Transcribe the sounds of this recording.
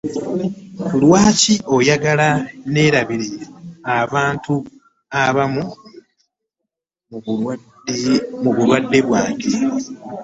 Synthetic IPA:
kulwaːciʔo̞jaɡalane̞ːɾaβiɾeaβaːntu | aβamu | muβulwadːe̞βwaːke̞

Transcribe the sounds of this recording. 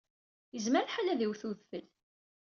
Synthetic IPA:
jəzməɾħalæðiwθuðfəl

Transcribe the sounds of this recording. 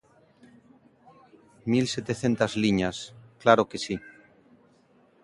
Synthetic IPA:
milset̪eθe̞nt̪azliɲasklaɾokesi

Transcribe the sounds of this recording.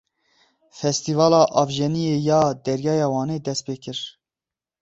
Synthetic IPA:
fɛst̪ivɑːlɑːʔɑvʒɛnijeːjɑːd̪ɛɾjɑːjɑːwɑːneːd̪ɛst̪̚peːkʰɨɾ

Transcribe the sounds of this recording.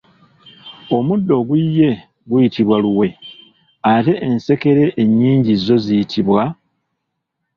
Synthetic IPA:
o̞mudːo̞ɡwijːe̞ | ɡujitʰiβwaluwe̞ | ate̞ʔːnse̞ke̞ɾe̞ʔeɲːiːɲɟizo̞zijitʰiβwa

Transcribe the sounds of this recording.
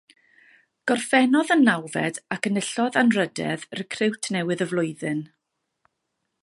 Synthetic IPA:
ɡ̥ɔrfɛnɔðanːawvɛ̰dakənəɬɔðanrədɛ̰ðrəkʰrɪwtʰnɛwɨðəvlˠʊɨðɨn

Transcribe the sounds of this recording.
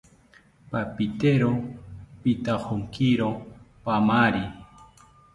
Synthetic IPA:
papit̪eɾopit̪ahoŋkiɾopamaɾi

